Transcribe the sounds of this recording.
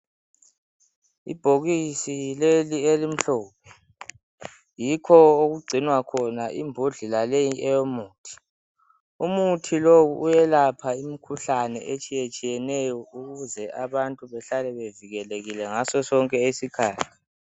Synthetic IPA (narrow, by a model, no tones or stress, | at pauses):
ḭb̥ʱoɣisilelielim̩ɬɔːp̚ʰɛ | jikʰɔoɣuɡ͡ǀʱinwakʰɔnaʔimbʱuɮilalejiʔɛjomuːtʰi̥ | umutʰilowuʔːjɛlapʰaimikʰuɬanɛ̰ʔet͡ʃʼijet͡ʃʼijɛnɛjɔuɣuzɛʔaβantʼuβɛɬalɛβeviɣɛleɣilɛŋasɔsɔŋkʼɛesikʰaːtʰi̥